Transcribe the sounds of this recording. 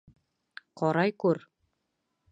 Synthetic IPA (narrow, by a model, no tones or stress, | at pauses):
qɒɾɑjkʉɾ